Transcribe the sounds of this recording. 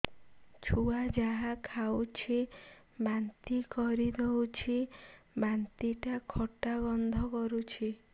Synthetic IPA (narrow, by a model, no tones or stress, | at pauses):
t͡ʃʰuad͡ʒaɦakʰawt͡ʃʰi | bant̪ikɔɾid̪ewt͡ʃʰibant̪iʈakʰɔʈaɡɔnd̪ʱɔkɔɾut͡ʃʰi